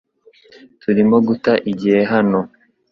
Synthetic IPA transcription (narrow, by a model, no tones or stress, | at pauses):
tʰuɾimo̞ɡutaʔiɟihe̞ɦano̞